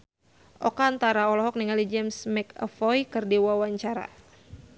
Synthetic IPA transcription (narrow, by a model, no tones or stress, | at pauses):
ʔɔkaːnt̪aɾaɔlɔɦɔk̚niŋaldid͡ʒɛmsmɛkə̰fɔjkɨrdiwawaɲt͡ʃaɾa̰